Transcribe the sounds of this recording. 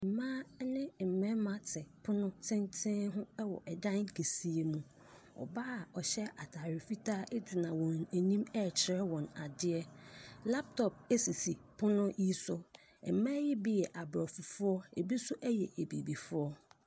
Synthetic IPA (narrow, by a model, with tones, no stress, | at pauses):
m̩˨mãː˦nɪ̃˦m̩˨mɛ̃˦mã˦tʰɪ˨pʰʊ˦nʊ̃˦tʰɪ̃˦ntʰɪ̃˦ɦʊ̃˦ɛ˦wɔ̰˨ʔɛ˨dã˦ŋ˦kʰe˨si˦e˦mũ˦ | ɔ̰˨ba˦a˨ɔ˨ɕɛ˦a˨tʰa˨ɾɪ˨fi˦tʰaː˦ʔɪ˦dɪ˨nã˨wɔ̃˨ne˨nĩ˦mɛ˦˨t͡ɕʰɪ˨ɾɛ˦wɔ̃˨na˨dɪ˦ɛ˦la˦p̚tʰɔ˨p̚e˦si˨si˨pʰʊ˦nʊ̃˦ji˦sʊ˦˨ | m̩˨mã˦jɪ˦bi˦jɛ˨ʔa˨bɾɔ˨fʊ˨fʊ˦ɔ˦e˨bi˦sʊ˦ʔæ˦jɛ̰˨ʔe˨bḭ˨bi˨fʊ˦ɔ˦